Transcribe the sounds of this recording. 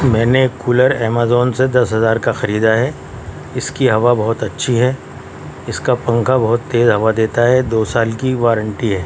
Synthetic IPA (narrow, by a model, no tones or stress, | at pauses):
mɛ̃ːnekuːləɾɛːmaːzɔːnsed̪ɐsɦɐzaːɾkaxɐɾiːd̪aɦɛ | ɪskiɦɐʋabɐɦʊt̪ɐtːʃʰiɦɛ | ɪskapɐ̃ŋkʰabɐɦʊt̪ːeːzɦɐʋad̪eːt̪aɦɛd̪oːsaːlkiʋaːɾə̃ɳʈiɦɛː